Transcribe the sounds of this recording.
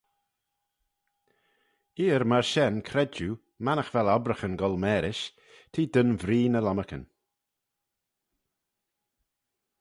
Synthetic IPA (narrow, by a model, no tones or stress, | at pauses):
iːəɾmaɹʃɛnkʰɾɛd͡ʒu | manəxvɛlɔbɾəxənɡɔlmɛːɾɪʃ | t̪ʰiːd̪ənvɾiːnəlaməkə̰n